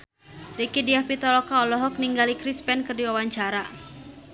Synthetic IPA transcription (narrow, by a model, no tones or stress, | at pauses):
ɾikidiahpit̪ɔlɔkaɔlɔɦɔk̚niŋɡalikɾispɛnkɨrdiwawaɲt͡ʃaɾa